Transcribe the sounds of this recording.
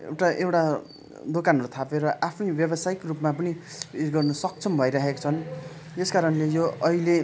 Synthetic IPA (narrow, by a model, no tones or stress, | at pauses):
ḛwʈaʔewʈa | d̪okanɾut̪ʰapeɾʌʔapʰnʌbjʌbʌsaikrupmap̬ʌniiɡʌrnʌsʌk̚t͡sʰʌmbʱʌiɾaɦekḁt͡sʰʌn | eskaɾʌnlejoʌile